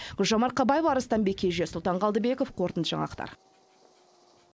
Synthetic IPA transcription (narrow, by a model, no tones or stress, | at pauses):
ɡ̥ʊlʲʒɑmɑɾ̚qʰɑbɑjevɑɾəst̪ɑnbekʲʰːe̞ʒesʊlˠt̪ɑɴʁɑlˠd̪əbe̞kofqʰo̞ɾt̪ənt̪ʒɑ̰ɴɑ̰qt̪ɑ̰ɾ